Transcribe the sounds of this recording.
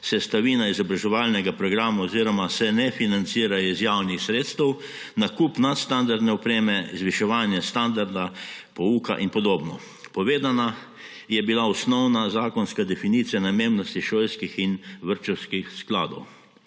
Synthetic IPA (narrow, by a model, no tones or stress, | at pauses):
sɛst̪aʋiːnaizɔbɾaʒɛʋalnɛɡapɾɔɡɾaːmaɔziːɾɔmasɛnɛfinant̪siːɾajɔizjawnixsɾeːt̪st̪ɛw | nakupnat̪st̪and̪aɾd̪nɛɔpɾeːmɛizʋiʃɛʋaːnjɛst̪and̪aɾd̪apɔuːka̰ʔinpɔd̪oːbnɔ | pɔʋeːd̪ana | jɛbilaɔsnɔwnazaːkɔnskad̪ɛfiniːt̪sijanameːmnɔst̪iʃoːjskixinʋəɾt͡ʃɛwskixsklaːd̪ɔ̰w